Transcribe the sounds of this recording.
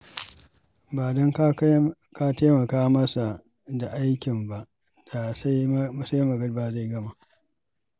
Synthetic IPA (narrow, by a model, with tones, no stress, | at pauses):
baː˨dɐ˦ŋk | ka˦teː˦mɐ˨kaː˦mɐ˦sa˨ | da˨ʔa˦jkʲɪ˨mba˨ʔ | d̥a˨sa˦mɐ˦sa˦jmɐ˨ɡɐ˦ɽbaː˨za˦˨ɡɐ˦ma˦ʔ